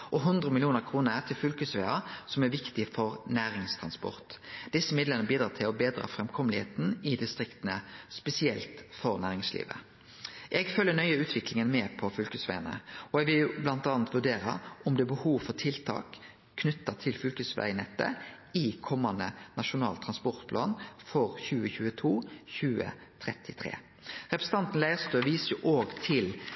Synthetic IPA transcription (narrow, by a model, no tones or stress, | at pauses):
ʔɔɦʉnd̪ɾəmɪlɪuːnəʁkʰʁuːnəɾæt̪ʰɪlfʉlkʉsʋeːɑsɔmæɾʋɪkt̪ɪfɔɾnæːɾɪŋst̪ʰʁɑnspɔ̰ʁt̪d̪ɪsːəmɪd̪lənəbiːd̪ɾɑːt̪ʰɪlɔbeːd̪ɾɑ̰fʁɛmkʰɔmlɪhḛːt̪n̩ɪd̪ɪst̪ʁɪkt̪ənəspɛsɪɛlt̪fɔɾnæːɾɪŋslḭːʋə̰ | ʔɛɡfœlːənœʏəʉːt̪ʰʋɪklɪŋənmɛːpʰɔfʏlkʉsʋæ̰ɪɑnə̰ɔɛɡʋɪljʊblɑnt̪ɑːnt̪ʋʉɖeːɾɑ̰ɔmd̪ɛːbəhuːʋfɔʁt̪ʰɪlt̪ʰɑ̰ːkʰː | nʏt̪ːɑt̪ʰɪlfʉlkəsʋæ̰ɪnɛt̪ːə̰ | ɪkʰɔmːɑnd̪ənɑʃʊnɑ̰ːlt̪ʰʁɑnspɔʁt̪pʰlɑ̰ːnfɔʁçʉːəçʉːət̪ʰuːçʉːə̰ | t̪ʰʁɛt̪ʰɪt̪ʰʁḛː | ʁɛpɾəsən̩t̪ɑnt̪n̩læɪəst̪øːʋiːsəjʊʔoːɡt̪ʰɪl